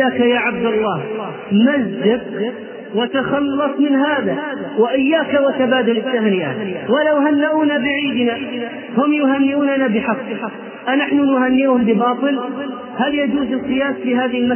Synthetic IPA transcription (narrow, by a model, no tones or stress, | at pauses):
aːkajaːʕab̚d̪alːɑːh | mazːɪq | wat̪axɑlːɑsˤmɪnɦaːðawaʔɪjːaːkawat̪abaːd̪alɪt̪ːahnɪʔawalawhanːaʔuːnabɪʕiːd̪ɪna | hʊmjʊɦanːɪʔuːnanabɪħɑqː | ʔanaħnʊnʊhanːiːhʊmbɪbɑːt̪ˤɨl | haljad͡ʒuːzɪlqɨjaːsfiːɦaːðɪɪlma